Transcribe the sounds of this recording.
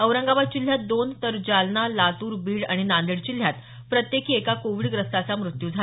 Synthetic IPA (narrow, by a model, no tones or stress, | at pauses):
əʋɾəŋɡaʋad̪̚t͡ɕil̤ːjat̪̚d̪ont̪əɾd͡ʑalnalat̪uːɾbiːɽa̰ɽ̃inãnd̪iɽt͡ɕil̤jat̪ | pɾət̪jekʰiːekakoʋiːɭɡɾəst̪at͡samɾut̪juːd͡zʱa